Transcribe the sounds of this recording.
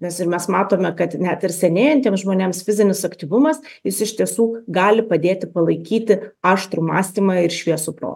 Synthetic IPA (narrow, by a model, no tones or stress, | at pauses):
nʲɛsɪɾmʲɛsmɑːt̪oːmʲɛkɐt̪nʲæt̪ɪɾsʲɛnʲeːjɛnt̪ʲiɛmsʒmoːnʲeːmsfʲɪzʲɪnʲɪsɐkt̪ʲiːʋʊmɐs | jɪsɪʃt̪ʲiɛsuːɡɑːlʲɪpɐd̪ʲeːt̪ʲɪpɐlˠɐɪkʲiːt̪ʲɪɑːʃt̪ɾuːmɑ̰ːsʲt̪ʲiːmɑɪɾʃʲʋʲiɛsʊpɾo̰ːt̪